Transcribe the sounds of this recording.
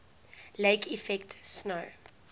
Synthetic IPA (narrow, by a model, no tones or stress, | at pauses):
leɪkʰifɛktsnoʊ